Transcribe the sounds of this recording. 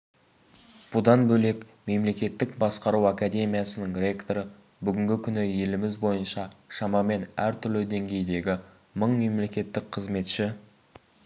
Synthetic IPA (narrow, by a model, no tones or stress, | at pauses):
b̥ʊd̪ɑnbɵle̞k | me̞mle̞kʲe̞t̪ːɪkbɑsqɑɾuwakad̪ʲe̞mijasənəŋrʲe̞kt̪oɾə | bʏɡʲɪŋɡʲɪkʲʰʏnɪje̞lɪmɪzbo̞jənʃɑʃɑmɑme̞næɾt̪ʰʏɾlɪd̪e̞ŋɡʲe̞jd̪e̞ɡʲɪ | məɴme̞mle̞kʲe̞t̪ːɪk̚qʰəzme̞t̪ʃɪ